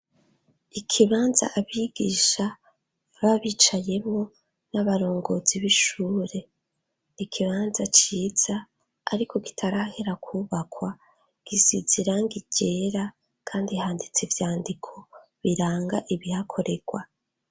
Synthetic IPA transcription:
ikʰiβaːnza̰ʔːβiɡ̥iːʃa | βaβit͡ʃaje̞mo̞ | naβaɾo̞ːŋɡo̞ːziβiʃuːɾe̞ | ikʰiβaːnzat͡ʃiːz̥aː | ɾiko̞ɡi̥tʰaɾaheɾakʰuːβakwa | ɡ̥iziziɾaŋɡiɟ̥e̞ːɾa | kʰaːndihaːndit͡sevjaːndikʰo̞ | βiɾaːŋɡa̰ʔiβihakʰo̞ɾe̞ɡ̥wa

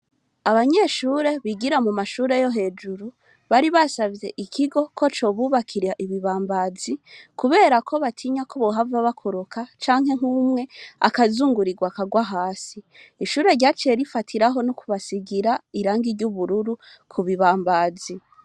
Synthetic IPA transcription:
aβaɲe̞ʃuːɾe̞βiɡiɾamumaʃuːɾe̞jo̞ɦe̞ːd͡ʒuɾu | βaɾiβasavje̞ʔikʰiɡo̞kʰo̞t͡ʃo̞ːβuːβakʰiɾaʔiβiβaːmbad͡zikuβe̞ːɾakʰo̞βatʰiɲakoβoɦavaβakʰuɾukʰat͡ʃaːŋhe̞ŋ̥umŋe̞a̰kazuːŋɡuɾiɡwakaɡwaɦaːsiːʃuːɾe̞ɾɟaːt͡ʃeɾifatʰiɾaɦo̞nukuβasiɡiɾaiɾaːŋɡiɾɟuβuɾuɾu | kʰuβiβaːmbaːzi

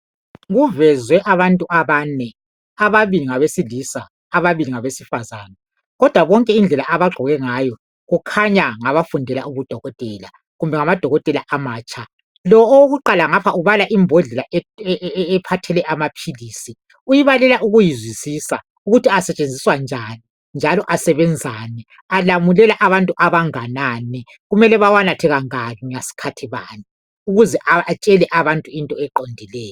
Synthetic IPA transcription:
ɣuvɛzwɛʔaβantʼuʔaβaːnɛ | aβaβiliŋaβesilisaː | βaβiliŋaβesifazaːna | ɣɔd̥ʱwaβɔŋkʼɛind͡ɮʱɛlaʔaβaɡ͡ǃʱɔɣɛŋaːjɔ | ɣukʰaɲaŋaβafundʱɛla̰uβud̥ʱɔɣɔtʼɛla | ɣumbʱɛŋamad̥ʱɔɣɔtʼɛlaʔamaːt͡ʃʼʰa | lɔoɣuǃalaŋapʰauβalaʔimbʱɔɮɛlaɛːpʰatʰɛlɛʔamapʰiliːsi | ujiβalɛlaʔuɣujizwisisa̰ | uɣutʰiasɛt͡ʃʼend͡zʱiswand͡ʒʱani | nd͡ʒʱalɔʔasɛβɛnd͡zʱaːnɛ | alamulɛlaʔaβantʼuʔaβaŋananɛ | ɣumɛlɛβawanatʰɛɣaŋalɔŋasi̥kʰatʰiβa̰ni | uɣuzɛʔaat͡ʃʼɛlɛʔaβantʼuintʼɔɛǃondʱilɛːjɔ

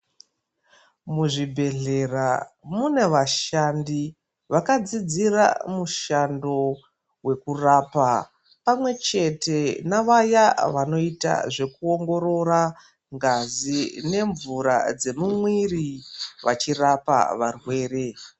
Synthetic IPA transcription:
muʐibʱe̞ɮe̞ramune̞ʋaʃandi | ʋakad͡zid͡zira̰muʃando̞ | we̞kurapa | pamwe̞t͡ʃe̞te̞naʋajaʋano̞ita̰ʐe̞kuo̞ŋɡo̞ɾo̞ɾa | ŋɡazine̞ɱvuɾa̰d͡ze̞mumwiriʋʔat͡ʃirapa̰ʋarwe̞ːre̞

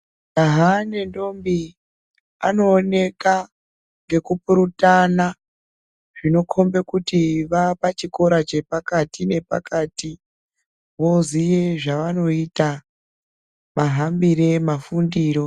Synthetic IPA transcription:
aɦane̞ndo̞mbi | a̰no̞ːne̞ka | ŋɡe̞kupuɾutana | ʐ̥ino̞kʰo̞mbe̞kutiʋapat͡ʃiko̞ɾat͡ʃe̞pakatʰine̞pa̰kati | ʋo̞zijeʐaʋano̞ita | maɦambiɾe̞mafundiːɾo̞

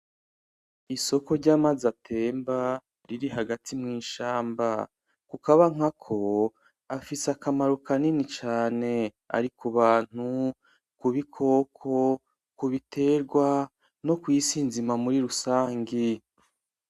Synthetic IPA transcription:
iso̞ko̞ɾɟaːmazatʰeːmba | ɾiɾiɦaɡatimŋiːʃaːmba | kukaβaŋ̥akʰo̞ | afisakamaɾukaninit͡ʃaːne̞ | a̰ɾikuβaːn̥hu | kuβikʰo̞ːkʰo̞ | kuβitʰe̞ːɾɡwa | no̞kwisinzimamuɾiɾusaːŋɡi

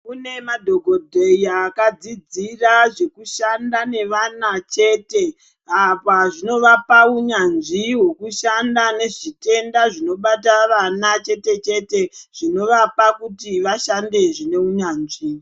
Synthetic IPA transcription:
une̞madʱo̞ɡʱo̞dʱeiakad͡zid͡ziraʐe̞kuʃandane̞ʋanat͡ʃe̞ːte̞ | apaʐino̞ʋapauɲanʐiwe̞kuʃandane̞ʐite̞ndaʐino̞ɓataʋanat͡ʃe̞te̞t͡ʃe̞te̞ʐ̥ino̞ʋapakutiʋaʃande̞ʐine̞uɲaːnʐi

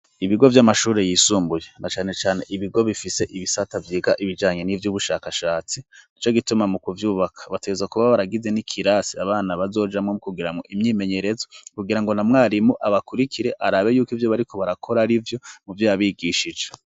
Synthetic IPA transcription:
iβiɡo̞vjamaʃuːɾe̞jiːsuːmbujenʔat͡ʃaːne̞t͡ʃaːne̞ʔiβiɡo̞βifise̞ʔiβisatavjiːɡaʔiβid͡ʒaːɲe̞nivjuːβuʃaːkaʃaːt͡sinit͡ʃo̞ɡitumamukuvjuːβakʰḁβateɡezakuβaβaɾaɡize̞nikʰiɾasiaβaːnaβazo̞ːd͡ʒamŋomukuɡiɾamŋo̞̰ʔimɲiːme̞ɲe̞ɾe̞zokuɡiɾaŋɡo̞namŋaːɾimuʔaβakuɾikiɾe̞ʔaɾaːβe̞juːkivjo̞βaɾiko̞βaɾakʰo̞ɾaɾivjo̞muvjaaβiɡiːʃid͡ʒe

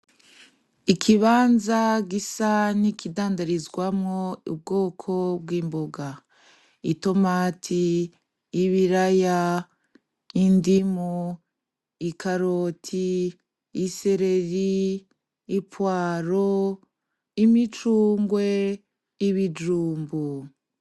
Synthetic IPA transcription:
ikʰiβaːnzaɡisanikidaːndaɾizɡwamŋo̞ṵb̚ɡo̞ːkʰo̞bwiːmboɡa | ito̞maːtʰiː | βiɾaja | indimu | ikaɾotʰiː | se̞ɾe̞ɾiː | pwaːɾo | imit͡ʃuːŋɡwe̞ | iβid͡ʒuːmbu

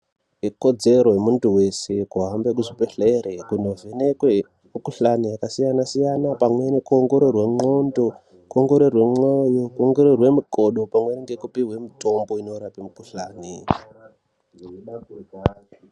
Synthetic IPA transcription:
iko̞d͡ze̞ɾo̞jemuntuwe̞se̞kuɦambe̞k̬uʐipeɬeɾekuno̞vʱenekwe | mukuɬanijakasijanasijanapamwe̞nekuoŋɡo̞ɾorwe̞ŋ͡ǀondo̞ | kuoŋɡo̞ɾorwe̞mojokuoŋɡo̞ɾorwe̞miko̞ɗo̞pamweneŋɡekupiɦwe̞mito̞mbo̞ino̞ɾapimukuɬaːni

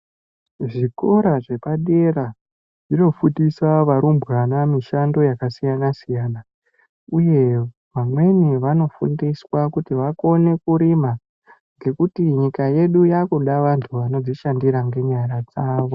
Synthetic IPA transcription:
ʐiko̞ɾaʐe̞paɗe̞ra | ino̞fudiswaʋaɾumburanamiʃando̞jakasijanasijaːna | uje̞ | ʋamwe̞niʋano̞fṵndiswakutiʋako̞ne̞kuɾima | ŋɡe̞kutiɲikaje̞ɗujakoɗaʋantʰuʋano̞d͡ziʃandiɾaŋɡe̞ɲaɾad͡zaːʋo̞

